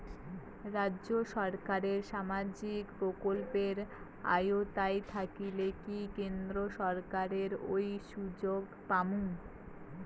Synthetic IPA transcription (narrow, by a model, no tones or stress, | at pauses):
ɾadːʑoʃɔɾkaɾeɾʃamad͡ʑikpɾokolpeɾ | a̰jot̪ajt̪ʰakilekikend̪ɾoʃɔɾkaɾeɾojʃud͡ʑoɡ | pamuŋ